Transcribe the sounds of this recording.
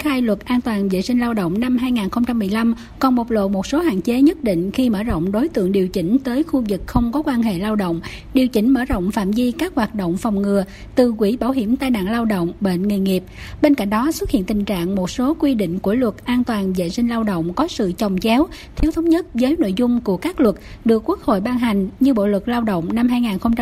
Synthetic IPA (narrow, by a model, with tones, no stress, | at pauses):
nxaː˧jlwə˨˩t̚ʔaː˧nt̪waː˨˩nvḛ˧˨jsï˧ŋ̟laː˧wɗo̰˧˨wŋ͡mna˧mɦaː˧jŋaː˨˩nxə˧ŋ͡mt͡ɕa˧mːɨ˨˩əjla˧m | kɔ˨˩nmo˨˩t̚lo̰˧˨mo˨˩t̚so˨˦ha̰ː˧˨nt͡ɕe˨˦ɲə˦˥t̚ɗḭ˧˨ŋ̟xi˧məː˧˩zə̰˧˨wŋ͡mɗo˨˦jt̪ɨ̰˧˨əŋɗi˨˩əwt͡ɕï˨˩˦ŋ̟t̪əː˨˦jxu˧zɨ˨˩k̚xə˧wŋ͡mkɔ˨˦kwaː˧nɦḛ˧˨laː˧wɗo̰˧˨wŋ͡m | ɗi˨˩əwt͡ɕï˧˩ŋ̟məː˧˩ɗo̰˧˨wŋ͡mfa̰ː˧˨mzi˧kaː˦˥k̚hwaː˨˩t̚ɗo̰˧˨wŋ͡mfa˨˩wŋ͡mŋɨ˨˩ə | t̪ɨ˨˩kwi˧˩ɓaː˧˩wɦi˧˩əmt̪aː˧jna̰ː˧˨ŋlaː˧wɗo̰˧˨wŋ͡mɓḛ˧˨nŋi˨˩ŋi˨˩əp̚ɓe˧nka̰˧˨ŋ̟ɗɔ˨˦swə˦˥t̚hḭ˧˨ənt̪i˨˩ŋ̟t͡ɕa̰ː˧˨ŋmo˨˩t̚so˨˦kwi˧ɗḭ̈˧˨ŋ̟ku˧˩əlwə˨˩t̚ʔaː˧nt̪waː˨˩nzḛ˧˨sï˧ŋ̟laː˧wɗo̰˧˨wŋ͡mkɔ˨˦sɨ̰˧˨t͡ɕə˨˩wŋ͡mt͡ɕɛ˨˦w | t̪ʰi˨˦əwt̪ʰə˨˦wŋ͡mɲə˦˥t̚vəː˨˦jno̰˧˨jzʊ˧ŋ͡mku˧˩əkaː˦˥k̚lwə˨˩t̚ | ɗɨ˨˩əkːwu˦˥ək̚ho̰˧˨jɓaː˧ŋɦa˨˩jŋ̟ɲɨ˧ɓo̰˧˨lɨ˨˩k̚laː˧wɗo̰˧˨wŋ͡mna˧mɦaː˧jŋaː˨˩nxə˧wŋ͡mt͡ɕ